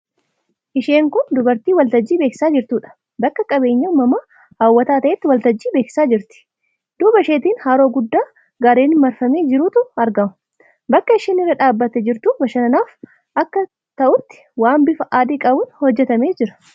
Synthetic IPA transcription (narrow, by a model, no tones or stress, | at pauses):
ʔɪʃe̞ːŋkʊnd̪ʊbɐɾt̪iːwɐlt̪ɐd͡ʒːiːbe̞ːkɪ̥saːd͡ʒɪɾt̪uːᶑɐ̥ | bɐkːɐkʼɐbe̞ːɲːɐmɐmɐ | haːwːɐt̪aːt̪ɐʔɛt̪ːɪwɐlt̪ɐd͡ʒːiːbe̞ːkɪ̥saːd͡ʒɪɾt̪ɪ̥ | d̪ʊbɐʃeːt̪iːnhaːɾo̞ːɡʊd̪ːaː | ɡaːɾe̞ːnɪmɐɾfɐme̞ːd͡ʒɪɾʊt̪ʊɐɾɡɐmɐ̥ | bɐkːɐɪʃeːnɪrːɐᶑaːbːɐt̪ɛd͡ʒɪɾt̪ubɐʃɐnɐnaːf | ʔɐkːɐ | t̪ɐʔʊt̪ːɪ̥waːmbɪfɐʔaːd̪iːkʼɐbʊnhɔd͡ʒːɛt̪ɐme̞ːd͡ʒɪɾɐ̥